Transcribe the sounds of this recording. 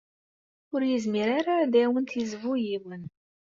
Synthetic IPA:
ʊɾjizmiɾaɾad̪æwənt̪izvujiwən

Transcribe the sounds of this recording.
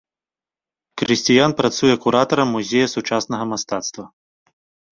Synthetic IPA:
kɾɨsʲt͡sʲijanpɾat̪sujɛkuɾat̪ɐɾɐmːuzʲejɐsut͡ʂasnɐɣɐmast̪at̪st̪vɐ

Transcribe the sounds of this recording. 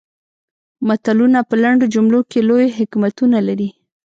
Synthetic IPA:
mat̪alunapəlaɳɖod͡ʒʊmlokelojɦɪkmat̪unalaɾi

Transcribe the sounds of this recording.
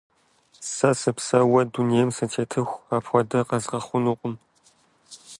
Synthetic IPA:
sɐsɨpsɐwɐdunijɛmsɐtʰeːtʰɨxʷaːpʰxʷɔdɐqɐzʁɐχʷʊnuqʷʼʊm

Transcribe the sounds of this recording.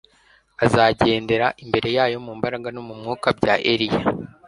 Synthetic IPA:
azaɟe̞ːnde̞ɾaʔimbe̞ɾe̞jaːjo̞mumbaɾaɡanomumŋuːkabɟaʔḛɾija

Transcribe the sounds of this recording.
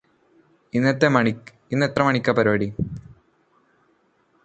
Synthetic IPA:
inːet̪ːemɐɳi | inːet̪rɐmɐɳikʲːɐpɐɾoːɽi

